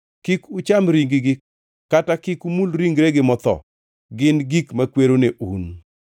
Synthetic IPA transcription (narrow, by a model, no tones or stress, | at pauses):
kikut͡ʃamɾiŋɡɪɡɪ | katakɪkumulɾiŋɡɾeɡɪmɔt̪ɔ̰ | ɡɪnɡikmakweɾoneʔun